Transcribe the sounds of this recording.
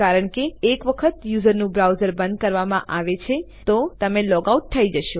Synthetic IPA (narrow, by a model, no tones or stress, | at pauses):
kaɾəɳkeːkʋəkʰət̪juzəɾnũbɾawzəɾbənd̪̚kəɾʋamã̰ʔaʋet͡ʃʰe | t̪ot̪əmẽlɔɡauʈ̚t̪ʰːəid͡ʒəʃo